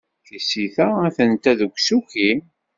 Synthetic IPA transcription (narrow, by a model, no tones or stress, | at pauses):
θisiθææθənt̪æðuɡʷsuki